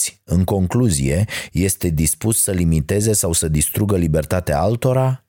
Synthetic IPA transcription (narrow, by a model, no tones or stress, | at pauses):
ɨŋko̞ŋkluzḭje̞je̞st̪e̞d̪ispusːəlimit̪e̞ze̞sawsəd̪ist̪ɾuɡəlibe̞rt̪at̪ea̰alt̪o̞ɾa